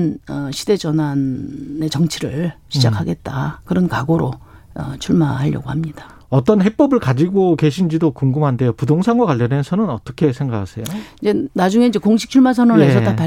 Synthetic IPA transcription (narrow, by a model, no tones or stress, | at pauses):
nʌɕʰide̞d͡ʑʌnane̞t͡ɕʌŋt͡ɕʰiɾɯɭɕʰid͡ʑakʰaɡe̞t̚t͈akɯɾʌnkaɡoɾo | ʌt͡ɕʰuɭmaɦaʎjʌ̰ɡohamɲid̥ḁ | ʌt͈ʌnɦep͈ʌbɯɭkad͡ʑiɡoke̞ɕʰind͡ʑidokuŋɡɯmɦande̞jopudoŋsʰaŋɡwakwaʎːʌnensʰʌnɯnʌt͈ʌkʰe̞sʰe̞ŋɡakʰasʰe̞joind͡ʑe̞nad͡ʑuŋeind͡ʑe̞koŋɕʰi̥k̚t͡ɕʰuɭmasʰʌnʌes̬ʰʌtapa